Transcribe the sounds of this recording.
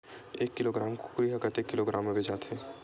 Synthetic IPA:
eːkːɪloːɡɾaːmkʊ̥kɾiɦəkət̪ekːɪloɡɾaːmːebed͡ʒaːt̪ʰɦeː

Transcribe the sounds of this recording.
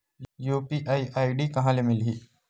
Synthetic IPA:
juːpiʔaːiʔaːiɖiːkɐɦãːlemɪlɦiː

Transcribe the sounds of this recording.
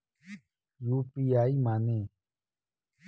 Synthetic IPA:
juːpiːaːiːmaːnẽː

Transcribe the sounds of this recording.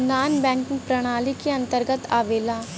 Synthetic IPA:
naːnbɛ̃ːŋkɪ̃ŋpɾɐɽ̃aːlikeɐ̃nt̪əɾɡət̪aːʋeːlaː

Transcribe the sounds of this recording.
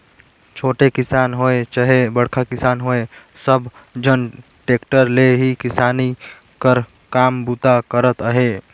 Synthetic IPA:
t͡ʃʰoːʈekɪsaːnɦoet͡ʃəɦebəɽkʰakɪsaːnɦoe | səbʱ | d͡ʒən | ʈeːkʈəɾleɦikɪsaːni | kəɾ | kaːmbut̪akəɾət̪əɦe

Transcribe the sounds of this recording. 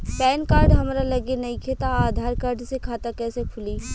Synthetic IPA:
pɛːnkaːɾɖɦɐmɾalɐɡenɐɦĩkʰeːt̪aaːd̪ʱaːɾkaːɾɖsekʰaːt̪akɛːsekʰʊliː

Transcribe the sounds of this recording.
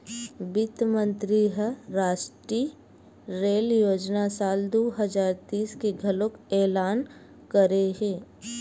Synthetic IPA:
bɪt̪mə̃nt̪ɾiɦəɾaːʃʈɾi | ɾeːljoːd͡ʒnasaːld̪oːɦəd͡ʒaːɾt̪iːskeɡʱɐlokɛːlaːn | kəɾeɦẽː

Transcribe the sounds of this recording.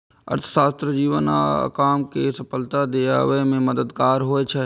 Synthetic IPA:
ɐ̰ɾt̪ʰə̥saːst̪ɾəd͡ʒiːʋəna̰kaːmkesɐpəlt̪ad̪eːa̰ːʋemẽməd̪əd̪kaːɾɦoːet͡ʃʰɛ

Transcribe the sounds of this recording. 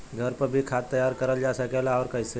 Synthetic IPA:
ɡʱəɾpəɾbʱikʰaːt̪ːəjaːɾkəɾəld͡ʒaːsəkelaɔːɾkəse

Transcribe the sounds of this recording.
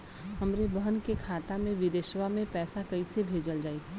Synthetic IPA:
ɦɐmɾebəɦənkekʰaːt̪amẽʋid̪eʃwamẽpɛːsakɐisebʱeːd͡ʒəld͡ʒaːiː

